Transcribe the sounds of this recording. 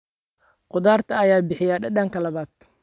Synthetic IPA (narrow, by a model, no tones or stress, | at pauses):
qʊðaːrt̪ʰɐɐjaːbɪħɪjaːɖɐɖɐːŋkʰɐlɐβaːd̪̥